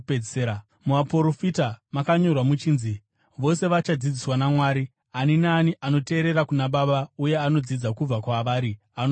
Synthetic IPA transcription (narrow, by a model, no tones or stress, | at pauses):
eeːɾa | muʋapo̞ɾo̞fitamakaɲo̞rwamut͡ʃiːnzi | ʋo̞se̞ʋat͡ʃad͡zid͡ziswanamwaːɾi | aninaːniʔano̞te̞ːɾe̞ɾakunaɓaɓauje̞ano̞d͡zid͡zakub͡vakwaʋaːɾi | an